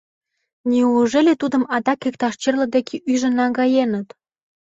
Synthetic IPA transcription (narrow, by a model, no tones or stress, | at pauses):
nʲiuʒelet̪ud̪ə̆mɑd̪ɑkːek̚t̪ɑʃt͡ɕerlə̆d̪ekʰeʔyʒə̆nɑŋɡɑjenət̪